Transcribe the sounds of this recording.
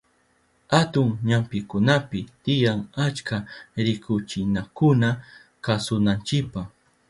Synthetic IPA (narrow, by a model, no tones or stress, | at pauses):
hat̪ʊŋɲampɪkʊnapɪt̪ɪjaŋat͡ʃkaɾɪkʊt͡ʃɪnakʊna | kasʊnant͡ʃɪpaχ